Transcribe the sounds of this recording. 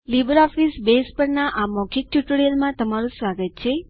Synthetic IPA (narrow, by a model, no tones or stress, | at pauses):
libəɾɔfisbespəɾnaʔamɔkʰik̚ʈjuʈəɾijəlmãt̪əmaɾũsʋaɡət̪̚t͡ʃʰe